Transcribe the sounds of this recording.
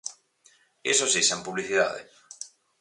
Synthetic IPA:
esosisempuβliθiða̰ðḛ

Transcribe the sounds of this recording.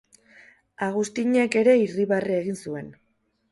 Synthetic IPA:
aɣ̞ust̪iɲe̞ke̞ɾe̞iriβarie̞ɣinsue̞n

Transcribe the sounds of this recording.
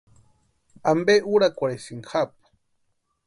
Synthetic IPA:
ambeʔuɾakʷaɽesiŋxapu̥

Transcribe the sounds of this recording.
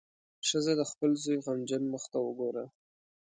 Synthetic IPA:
ʃəzad̪əxpəlzujɣamd͡ʒənməxt̪awəɡoɾa

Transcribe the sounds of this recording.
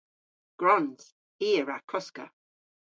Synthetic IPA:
ɡ̥ɹɔnz̥ | iːəɹakʰɔskə̰

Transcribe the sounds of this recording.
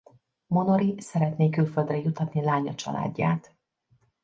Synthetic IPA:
mo̞noɾisɛɾɛt̪neːkylfø̞ld̪rɛjut̪ːɒt̪nilaːɲɒt͡ʃɒ̰lʔa̰ːɟːa̰ːt̪

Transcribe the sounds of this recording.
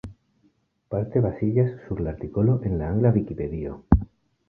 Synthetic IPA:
paɾt̪eβasiʎasːuɾlaɾt̪ikoloʔẽnlaaŋɡlaβikipeðio̰

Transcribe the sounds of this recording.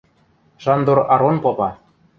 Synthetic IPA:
ʃɑnd̪uɾɑɾonpopɑ

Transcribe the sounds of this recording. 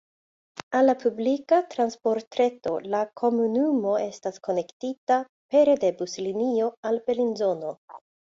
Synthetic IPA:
alːapublikatɾanspo̞ɾtɾe̞to̞lakʰo̞munumo̞e̞stasko̞ne̞ktita | pe̞ɾede̞buslinio̞alpe̞linzo̞no̞

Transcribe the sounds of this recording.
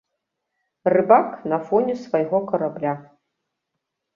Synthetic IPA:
rɨbaknɐfɔnʲɛsvajɣɔkɐɾablʲa

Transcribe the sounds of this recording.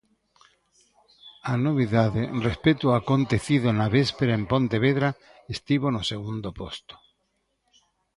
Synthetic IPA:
anoβ̞iðaðerespet̪uakont̪eθiðonaβespeɾaempont̪eβ̞eðɾa | est̪iβ̞onoseɣ̞und̪opost̪o̥

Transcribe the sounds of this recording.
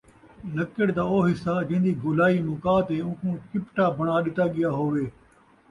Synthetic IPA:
lɐkɪɽd̪aːoːɦɪsaːd͡ʒẽɦɪ̃nd̪iːɡʊlaːiːmʊkaːt̪eːʊ̃ːkʰũːkɪpʈaːbʱɐɽ̃aːɗɪt̪aɠɪjaːɦoːʋeː

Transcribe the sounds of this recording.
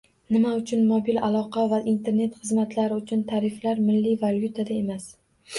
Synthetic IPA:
nɪmaʊt͡ʃʰʊnmobilalˠɒqɑvaʔint̪ʰe̞ɾne̞t̪χɨzmat̪ʰlaɾɪʊt͡ʃʰʊnt̪ʰaɾɪflaɾmɪlːivaljut̪ʰad̪ae̞mas

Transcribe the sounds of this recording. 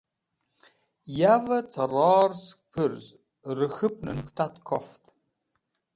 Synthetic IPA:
javɐt͡sʰɐrɑːrspʰɨrz | rɨxɨp̚ʰʼnɨ̰nxʷtʰatʰkʰɔftʰʼ

